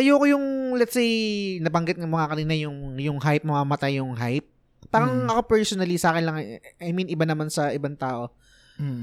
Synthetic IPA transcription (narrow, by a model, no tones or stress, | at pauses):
ʔɐjoːkojʊŋlɛt̪sejnɐbɐŋɡɪt̪nɐŋmɐŋakɐniːnɐjʊŋjʊŋɦajp̚mɐŋamɐt̪ajʊŋɦajp̚ | paːɾɐŋɐko̞pɛɹsonɐlisaːkɪnlɐŋʔɐjminɪbanɐmansɐʔɪbant̪aːʔo̞